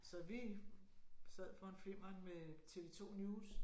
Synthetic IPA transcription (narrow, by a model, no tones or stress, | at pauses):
sɒ̽ʋi | sæð̰ˠfɒ̽enfim̰ɐnmet͡sʰe̝ːʋe̝t͡sʰo̝̰ːnjuːs